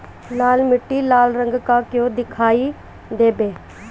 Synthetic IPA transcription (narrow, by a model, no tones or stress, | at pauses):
laːlmɪʈːiːlaːlɾəŋɡkakjõːd̪ɪkʰaːiː | d̪eːbeː